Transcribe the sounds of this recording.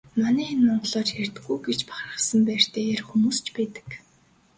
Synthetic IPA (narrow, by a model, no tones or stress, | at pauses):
manæːnːʊnt̪ɮɔːt͡ɕxert̪ɘɡujɡet͡ɕpḁχrə̆χsə̆mpæːr̥t̪ʰeːerxumuːst͡ɕʰpæːt̪ə̥̆k